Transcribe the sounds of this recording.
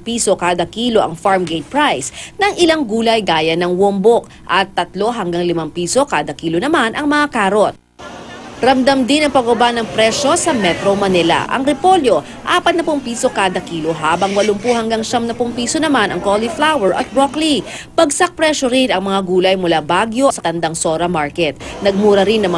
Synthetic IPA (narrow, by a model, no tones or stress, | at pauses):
piːso̞kaːd̪ɐkiːlo̞ʔɐ̰ŋfaɹmɡejt̪̚pɹajsnɐŋʔɪlaŋɡuːlɐjɡaːjɐnɐŋwombok̚ | ʔɐt̪ːɐt̪lo̞ɦɐŋɡaŋlɪmampiːso̞kaːd̪ɐkiːlonɐmanʔɐŋmɐŋakaːɾot̪̚ | ɾɐmd̪ɐmd̪ɪnɐŋpɐɡobanɐŋpɾɛʃo̞sɐmɛt̪ɾomɐnɛlɐ̰ʔɐ̰ŋɾɪpo̞ljo̞ | ʔaːpɐt̪nɐpʊŋpiːso̞kaːd̪ɐkiːlo̞ɦaːbɐŋwɐlʊmpʊhɐŋɡaŋʃɐmnɐpʊŋpiːsonɐmanɐŋkoliflawɛɹʔɐ̰t̪̚bɹokli | pɐɡsak̚pɾɛʃoɾɪnɐŋmɐŋaɡuːlɐjmʊlabaɡjo̞sɐt̪ɐnd̪ɐŋsoɾɐmaɹkɛt̪̚nɐɡ̚muːɾɐɾɪnːɐŋm